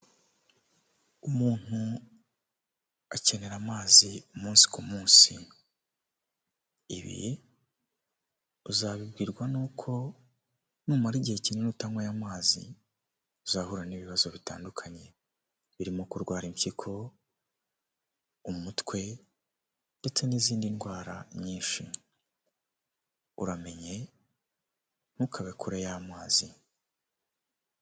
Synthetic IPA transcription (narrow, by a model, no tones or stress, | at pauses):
umuːn̥u | ace̞ne̞ɾamaːziumuːnsi̥kumuːnsi | βḭ | uzaβib̚ɡiːɾɡwanuːkʰo̞ | nuːmaɾiɟihe̞cinenutaŋwajamaːzḭ | uzahuɾaniβiβazo̞βitaːndukʰaɲe̞ | βiɾimokuɾɡwaːɾimcikʰo̞ | umutkwe̞ | nde̞t͡se̞niziːndinɡwaːɾaɲiːnʃi | uɾame̞ɲe̞ | n̥hukʰaβekuɾejamaːzi